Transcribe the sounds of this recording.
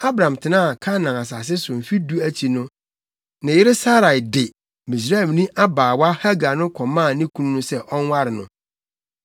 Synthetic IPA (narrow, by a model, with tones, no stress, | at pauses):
a˦bɾã˨mtʰɪ˨nãː˦˨kʰa˦nã˨a˨s̬a˨s̬ɪ˦sʊ˨m̩˨fi˦du˦æ˦t͡ɕʰi˨nʊ̃˦ | nã˨jɪ˦ɾɪ˦sa˦ɾa˨i˨dɪ˨ | mĩ˨s̬ɾa˦ɛ˨mnĩ˦ʔa˦baː˨wa˦ha˦ɡa˨nʊ̃˦kʰɔ˨mã˦˨nĩ˦kʰũ˦ñ˦nʊ̃˦sɛ˦ʔɔ˦n˦wa˦ɾɪ˨nʊ̃˦